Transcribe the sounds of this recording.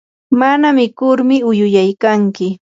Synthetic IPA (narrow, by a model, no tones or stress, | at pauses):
manamɪkʊɾmɪʊjʊjajkaŋkɪ